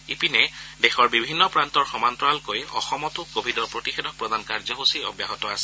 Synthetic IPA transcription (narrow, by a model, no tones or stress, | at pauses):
ipinɛdexɔɹbibʱinːɔpɹantɔɹxɔmantɔalkojɔ̰xɔmɔtʊkobʱidɔɹpɹotixedɔk̚pɹɔd̪ankaɹzɔɦusiɔ̰bjaɦɔtɔasɛ̥